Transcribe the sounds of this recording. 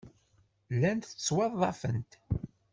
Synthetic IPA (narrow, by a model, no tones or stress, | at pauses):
lːænt̪θət͡sːwɑðˤːɑfənt̪